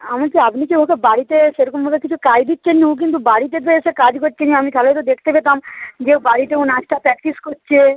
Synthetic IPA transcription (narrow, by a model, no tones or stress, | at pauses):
amaɾkiapnikebʱɔkebaɾit̪eʃeɾukumbʱokekit͡ɕʰukajd̪itːɕʰenuuk̬int̪̬ubaɽit̪et̪̬oeʃekad͡ʑkoʈːt͡ɕʰeniamit̪ʰalet̪od̪ekʰt̪ebet̪amd͡ʑebaɽit̪eunat͡ɕʈapɾɛk̚ʈiskoʈːt͡ɕʰe